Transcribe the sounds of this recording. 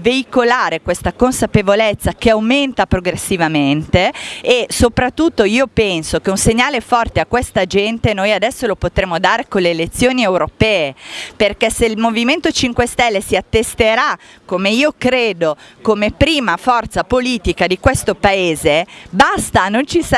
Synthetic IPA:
veikolaːɾekwest̪akonsapevolet̪sːakeawment̪apɾoɡɾesːivament̪eːsopɾat̪ːut̪ːoiːopɛnsok̟eunseɲːaːlefɔrt̪eakːwest̪ad͡ʒɛnt̪enojad̪ɛsːolopot̪ɾeːmːod̪aːɾekonleːlet̪sːjoːniewɾopɛːeperkɛseilmoviment̪ot͡ʃiŋkwest̪ɛlːesiat̪ːest̪eɾa | komeiːokɾeːd̪okomepɾiːmafɔrt̪sapoliːt̪ikad̪ikwest̪opaeːzebast̪anont͡ʃis

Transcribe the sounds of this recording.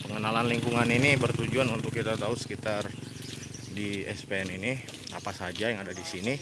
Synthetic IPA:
pəŋənalanliŋkuŋaninibərt̪ud͡ʒuanunt̪ʊkːit̪at̪ausə̥kit̪ar | diɛspeɛnini | apasad͡ʒajaŋadadisini

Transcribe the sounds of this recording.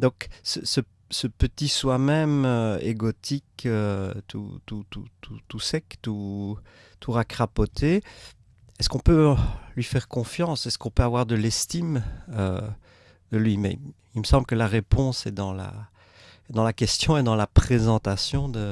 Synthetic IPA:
d̪ɔ̃ːksəsə | səpət̪iswamɛmøḛɡɔt̪ʰikʰøt̪ʰṵt̪ut̪ut̪ʰut̪usɛkt̪u | t̪ʰuʁakχapɔt̪ʰe | ɛskɔ̃pølɥifɛʁkɔ̃fjɑ̃sɛskɔ̃pøavwaʁd̪əlɛst̪imø | d̪əlɥimɛ̰ | ilməsɑ̃blkəlaʁepɔ̃sɛd̪ɑ̃la̰ | d̪ɑ̃lakʲɛst̪jɔ̃ɛd̪ɑ̃lapχezɑ̃t̪asjɔ̃d̪ə

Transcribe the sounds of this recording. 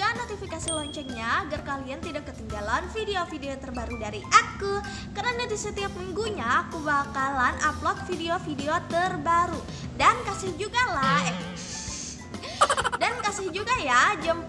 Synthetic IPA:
anot̪ifikasilɔɲt͡ʃɛnɲaːɡarkaliant̪idakːət̪iŋɡalanfideofideot̪ərbaɾudaɾiʔaku | kərnanadisət̪iap̚miŋɡuɲakubakalanaplɔt̪̚fideofideot̪ərbaɾu | dankasɪhd͡ʒuɡala | dankasɪhd͡ʒuɡajad͡ʒam

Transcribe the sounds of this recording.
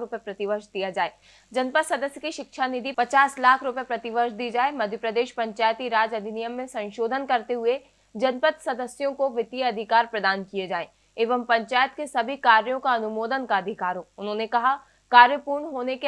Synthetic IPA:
ɾʊpepɾɐt̪ɪʋəʃd̪ijad͡ʒaːeː | d͡ʒɐnpət̪sɐd̪əsjəkiʃɪkʃʰanɪd̪ʱipɐt͡ʃaːslaːkʰɾʊpepɾɐt̪ɪʋəɾʃd̪iːd͡ʒaːemɐd̪ʱjəpɾəd̪eːʃpɐ̃ɲt͡ʃaːjət̪iɾaːd͡ʒɐd̪ʱɪnijəmːẽsɐ̃nʃoːd̪ʱənkɐɾt̪eɦʊe | d͡ʒɐnpət̪sɐd̪əsjõkoʋɪt̪ijəɐd̪ʱɪkaːɾpɾɐd̪aːnkied͡ʒaːẽː | eːʋəmpɐ̃ɲt͡ʃaːjət̪kesɐbʱikaːɾjõkaɐnʊmoːd̪ənkaɐd̪ʱɪkaːɾɦoːʊnɦõnekɐɦa | kaːɾjəpuːɾɳɦoːneke

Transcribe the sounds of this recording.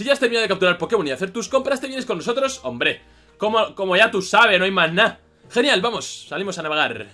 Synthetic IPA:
siʝast̪eɾminaðkap̚t̪uɾaɾpo̞ɾke̞βoniðaθe̞ɾt̪usko̞mpɾast̪ejeneko̞nːosot̪ɾo̞so̞̰mbɾe̞ | komoko̞mo̞ʝat̪usaβ̞e̞noajmazna | xe̞njalβamo̞sːalimo̞sanaβe̞ɣ̞aɾ

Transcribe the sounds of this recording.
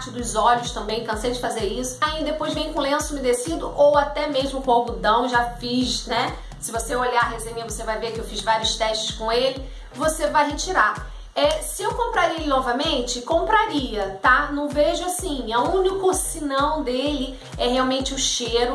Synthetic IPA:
pat͡ʃɪd̪ʊzɔʎʊst̪ɐ̃mbẽj̃kɐ̃sejd͡ʒɪfazeɾisʊ̥aĩd̪epojzvẽj̃ʊkõlẽsʊmɪd̪esid̪ʊʔowat̪ɛmeʒmʊkõbʊd̪ɐ̃w̃ʒafiʃnɛ | sɪvoseoʎaɦezẽɲɐvosevajveɾkɪewfizvaɾiʊst̪ɛʃt͡ʃɪskõelɪ | vosevajɦet͡ʃiɾa | ɛsɪewkõmpɾaɾielɪnɔvɐmẽnt͡ʃɪkõmpɾaɾiɐt̪anɐ̃w̃veʒʊasĩɐũnikʊsinɐ̃w̃d̪elɪ | ɛɦeawmẽnt͡ʃɪʊʃeɾʊ

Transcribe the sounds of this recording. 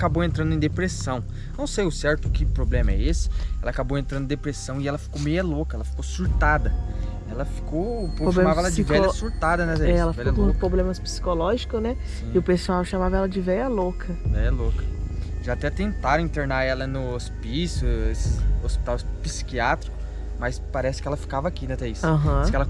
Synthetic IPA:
akabowẽnt̪ɾɐ̃nd̪ʊẽd̪epɾesɐ̃w̃ | nɐ̃w̃sejʊsɛɾt̪ʊkɪpɾoblẽmɐɛ̰esɪ̥ɛlɐakabowẽnt̪ɾɐ̃d̪̃d̪epɾesɐ̃w̃ɪɛlɐfi̥komejɐlokɐɛlɐfi̥kosuɾt̪ad̪ɐ | ɛlɐfi̥kowoʃemavɐɛlɐd͡ʒvɛʎɐsuɾt̪ad̪ɐnɛɛlɐfvɛɐlõkpɾoblẽmɐspi̥si̥kolɔʒikʊznɛ | sĩɪʊpesuawʃamavɐɛlɐd͡ʒɪvɛʎɐlokʰɐvɛʎɐlokɐʒaːt̪ɛt̪ẽnt̪aɾ̃ĩnt̪eɾnaɛlɐnʊospisʊesɪospi̥t̪awpi̥si̥kiat̪ɾikʊ | majspaɾɛsɪ̥kɪɛlɐfi̥kavɐakinɛt̪aisɦɐ̃kɛlɐ

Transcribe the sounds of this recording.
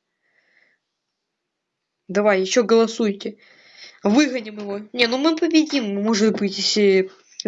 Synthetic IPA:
d̪ɐvajːɪɕːoɡəlˠɐsujtʲɪ | vɨɣənʲɪmjɪvonʲenumɨpəbʲɪdʲimːoʐɨt̪bɨtʲe

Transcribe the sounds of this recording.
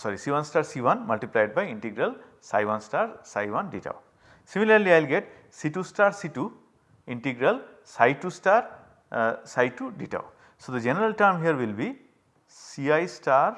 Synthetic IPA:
sɔɾisiʋãnsʈaɾsiʋãnmɐlʈiplajɖ̚bajĩɳʈiɡɾɐl | sa̰jʋãnsʈaɾsajʋãnɖiʈa̰ʊ | similɐɾliajlɡɛʈ | siʈusʈaɾsiʈu | ĩɳʈiɡɾɐl | sajʈusʈaɾ | sajʈuɖiʈa̰ʊ | sod̪əd͡ʒɛnəɾəlʈɐɾmɦiəɾwilbi | siajsʈaɾ

